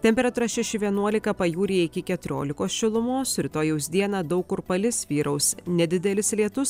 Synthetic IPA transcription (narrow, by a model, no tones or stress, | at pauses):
t̪ʲɛmʲpʲɛɾɐt̪uːɾɐsʃʲɛʃʲɪʋʲiɛnuɔlʲɪkɐpɐjuːɾʲijɛɪkʲɪkʲɛt̪ʊɾʲo̰ːlʲɪkoːsʃʲɪlˠʊmoːsɾʲɪt̪oːjɛʊsd̪ʲiɛnɑːd̪ɐʊkʊɾpɐlʲɪsʋʲiːɾɐʊsnʲɛd̪ʲɪd̪ʲɛlʲɪslʲiɛt̪ʊs